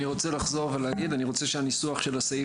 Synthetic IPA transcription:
iʁo̞t͡selaχzo̞ʁveleaɡid̪aniʁo̞t͡seʃeanisuaχʃe̞lasai

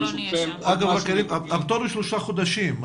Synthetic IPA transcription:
aɡavakeɾimaavt̪oɾuʃloʃaχod̪aʃim

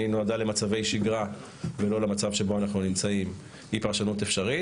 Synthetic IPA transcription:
inoad̪alemat͡savejʃiɡʁa | velo̞lemat͡savʃe̞bo̞anaχnunimt͡saim | hipaʁʃanutefʃaʁi

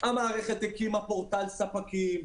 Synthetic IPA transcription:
amaːʁeχet̪ekimapoʁt̪alsapakim

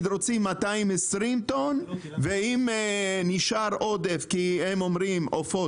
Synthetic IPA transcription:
d̪ɾot͡simːat̪aimesɾimt̪on | veimniʃaɾʔod̪efkihemomɾimofo

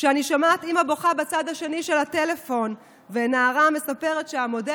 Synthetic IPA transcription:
ʃeaniʃamat̪imaboχabat͡sad̪haʃe̞niʃe̞lhate̞le̞fo̞n | venaːʁame̞sape̞ʁetʃeamo̞de

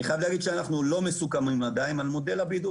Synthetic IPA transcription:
iχajavleaɡid̪ʃeanaχnulo̞mesukamimad̪aimalmo̞d̪elabid̪u

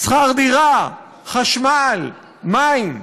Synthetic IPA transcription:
sχaʁd̪iʁa | χaʃmal | majm

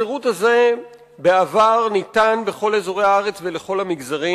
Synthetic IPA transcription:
iʁuthaze̞ | beavaʁnitanbeχo̞lezoʁe̞haaʁet͡sveleχo̞lhamiɡzaʁi

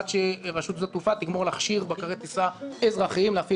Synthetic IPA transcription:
t̪ʃeʁaʃut̪zot̪ufat̪iɡmoʁlaχʃiʁbakaʁet̪isaezʁaχiimleafi

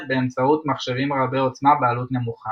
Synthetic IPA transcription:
beːmt͡saut̪maχʃevimʁabeot͡snabealut̪ne̞muχa

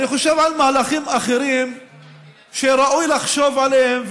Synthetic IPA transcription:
niχoʃevʕalmaːlaχimaχe̞ɾim | ʃeɾaʔujlaχʃo̞vʕaleemv

